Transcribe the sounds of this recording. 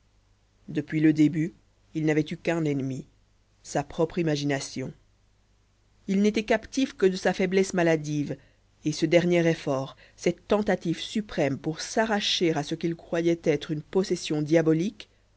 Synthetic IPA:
d̪əpɥiləd̪eby | ilnavɛt̪ykɛ̃nɛnmi | sapχɔpχimaʒinasjɔ̃ | ilnet̪ɛkapt̪ifkəd̪əsafɛblɛsmalad̪iv | esəd̪ɛʁnjɛʁefɔʁ | sɛt̪ːɑ̃t̪at̪ivsypχɛmpuʁsaʁaʃeʁasəkilkχwajɛt̪ɛt̪χynpɔsɛsjɔ̃d̪jabɔlik

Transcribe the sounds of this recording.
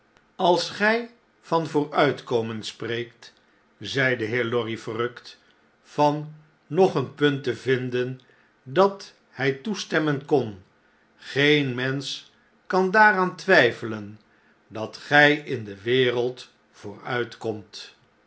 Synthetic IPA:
ɑlˠsχɛj | v̥ɑnvʊːrœɥtkowmənspreːjkt | zɛjdəɦɪːɹlɔrifərɵkt | fɑnː | ɔχənpɵntəvɪndən | dɑt | hɛjtustɛmənkɔn | χejnmɛns | kɑndaːraːntʋɛjfələn | dɑtχɛjɪndəʋɪːrəlˠt | v̥ʊːrœ̰ɥtkɔmt

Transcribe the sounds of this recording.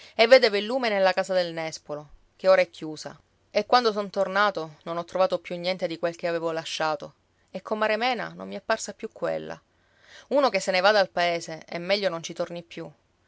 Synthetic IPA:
evːeːd̪evelːuːmenelːakaːsad̪elnɛspolo | keoːɾaɛkʰʲːjuːsa̰ | ekːwand̪osont̪ornaːt̪ononɔt̪ːɾovaːt̪opːjunːjɛnt̪ed̪ikwelk̟eaveːvolaʃːaːt̪o | ekʰːomːaɾemɛːna̰no̰mːiɛpːarsapːjukːwḛlːa̰ | uːnokesːenevad̪alpaeːseḛmːɛʎːonont͡ʃit̪ornipːju

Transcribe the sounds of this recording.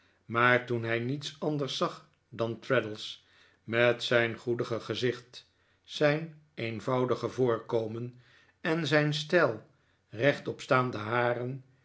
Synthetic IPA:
maːɹtunɦɛjnitsɑndəɹsɑχ | dɑntɹɛdəlˠs | mɛtsɛjnχudəχəχəzɪχt | sɛjn | ejnvɑwdəχəvʊːɹkowmən | ɛnzɛjnstɛlˠ | rɛχtɔpstaːndəɦaːrən

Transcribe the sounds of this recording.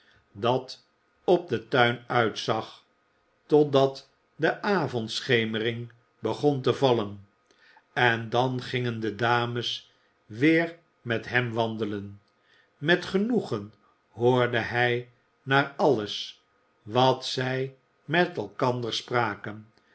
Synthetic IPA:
dɑt | ɔb̚dətœɥnœɥtsɑχ | tɔdɑt | dəʔaːvɔntsχejmərɪŋ | bəχontəvɑlən | ɛndɑnχɪŋəndədaːməs | ʋɪːɹ | mɛtɦɛmʋɑnd̪ələn | mɛtχənuχən | ɦʊːɹdəɦɛj | naːɹɑləs | ʋɑtsɛj | mɛtɛlˠkɑndəɹspraːkən

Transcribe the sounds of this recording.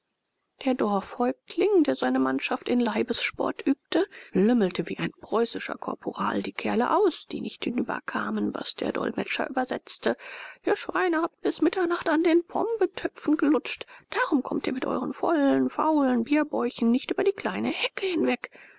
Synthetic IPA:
d̥eːɐdɔɐfhɔʏk̚kʰlɪŋdeːɐzaɪnəmanʃaftɪnlaɪbəsʃpɔ̰ɐtʔyːp̚təlʏml̩təviːʔaɪnpʁ̥ɔʏsɪʃɐ̰kʰɔ̰ɐpʰoʁa̰ːldiːkʰɛɐlə̰ʔaʊsd̥ḭːnɪçthɪnyːbɐ̰kʰaːmənva̰sd̥eːɐdɔ̰lmɛt͡ʃɐ̰ʔyːbɐzɛ̰t͡stəʔiːɐʃv̥aɪnəhaːp̚t̚b̥ɪsmɪtʰɐnaχtandeːnpʰɔ̰mbətʰœpp͡fn̩ɡəlʊt͡ʃtd̥aːʁʊmkʰɔmtiːɐmɪtʔɔ̰ʏʁənfɔ̰lənfa̰ʊlənbiːɐbɔʏçn̩ːɪçtʔyːbɐdiːkʰl̥aɪnəhɛkəhɪnvɛk

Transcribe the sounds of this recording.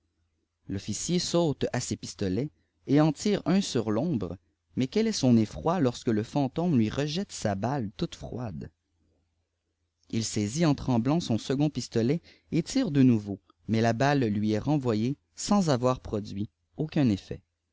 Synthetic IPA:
lɔfisjesoːt̪asepist̪ɔlɛ | eɑ̃t̪iːʁœ̃syʁlɔ̃bʁə | mɛkʲɛlɛsɔ̃nefχwalɔʁskələfɑ̃t̪ɔ̃mlɥiʁəʒɛt̪sabalt̪ut̪fχwa̰d̪ | ilsɛziɑ̃t̪χɑ̃blɑ̃sɔ̃səɡɔ̃pist̪ɔlɛ | et̪iːʁd̪ənuvo | mɛlabalːɥiɛʁɑ̃vwaje | sɑ̃zavwaːʁpχɔd̪d͡z̪ɥi | okʲɛ̃nefɛ̰

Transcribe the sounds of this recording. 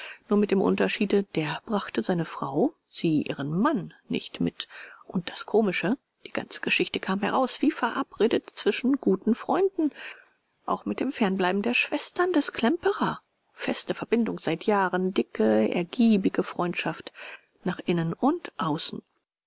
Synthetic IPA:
nuːɐmɪtd̥eːmʔʊ̰ntɐʃiːdəd̥eːɐb̥ʁaχtəzaɪnəfʁ̥aʊ | z̥iːʔḭːʁ̞ənmanːɪ̰çtmɪ̰tʔʊnt̚d̥askʰoːmɪʃə | d̥iːɡ̥a̰nt͡sə̥ɡ̥əʃɪçtəkʰaːmhɛ̰ʁaʊsv̥iːfɛɐʔapʁeːdətt͡sv̥ɪʃn̩ɡ̥uːtn̩fʁ̥ɔʏndn̩ | ʔa̰ʊxmɪt̚d̥eːmfɛɐnblaɪbm̩deːɐʃv̥ɛstɐndɛskʰl̥ɛmpəʁa | fɛstəfɛɐbɪndʊŋz̥aɪtʰjaːʁəndɪkəɛ̰ɐɡ̥iːbɪɡəfʁ̥ɔʏntʃaft | naːχʔɪnənʊntʔaʊsn̩

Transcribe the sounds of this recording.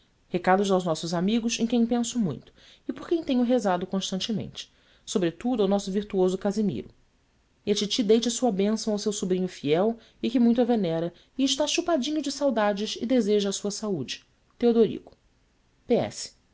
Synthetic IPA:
hekad̪ʊzawznɔsʊzamiɡʊsẽj̃kẽj̃pẽsʊmṵ̃j̃t̪ʊ̥ | ɪpokẽj̃t̪ẽɲʊɦezad̪ʊkõʃt̪ɐ̃nt͡ʃɪmḛ̃nt͡ʃɪ̥ | sobɾet̪ud̪ʊawnɔsʊviɾt̪uozʊkazimḭɾʊ | iɐt͡ʃit͡ʃid̪ejt͡ʃɐsuɐbẽsɐ̃w̃awsewsubɾĩɲʊfiɛw | ɪkɪmũj̃t̪ʊɐvenɛɾɐ | ɪɪʃt̪aʃupad͡ʒĩɲʊd͡ʒɪsawd̪ad͡ʒɪʃɪ̰d̪ezeʒɐːsuɐsaud͡ʒɪ̥ | t̪eod̪oɾḭɡʊ̥ | peɛ̰sɪ̥

